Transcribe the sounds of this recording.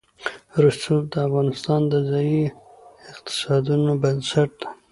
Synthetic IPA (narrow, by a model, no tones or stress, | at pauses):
ɾusup̚d̪əafɣɑnɪst̪ɑnd̪əzɑi | ɪqt̪ɪ̥sɑd̪unobənsaʈ̚d̪ḁ